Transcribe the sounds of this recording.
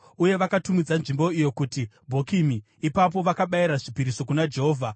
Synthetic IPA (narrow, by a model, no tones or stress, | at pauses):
uje̞ʋakatumid͡zanʐimbo̞ijo̞kuti | bʱo̞kimiː | pap̬o̞ʋakaɓaiɾaʐipiɾiso̞kunad͡ʒe̞ɦo̞ːvʱa